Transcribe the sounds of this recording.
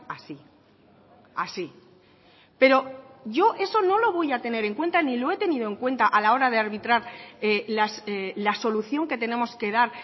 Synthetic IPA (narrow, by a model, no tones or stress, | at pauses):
asi | a̰si | pe̞ɾo̞ʝo̞ʔe̞so̞no̞lo̞β̞o̞jat̪e̞ne̞ɾe̞ŋkwe̞nt̪anilo̞e̞t̪e̞niðo̞e̞ŋkwe̞nt̪aʔalao̞ɾaðe̞aɾβit̪ɾaɾelaslaso̞luθjo̞ŋke̞t̪e̞ne̞mo̞ske̞ðaɾ